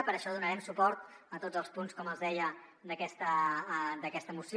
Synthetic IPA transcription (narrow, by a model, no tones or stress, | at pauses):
pəɾəʃɔðunəɾɛmsupɔɾt̪ət̪odd͡zəlˠspunskɔməlˠzðɛjə | d̪əkɛst̪əd̪əkɛst̪əːmus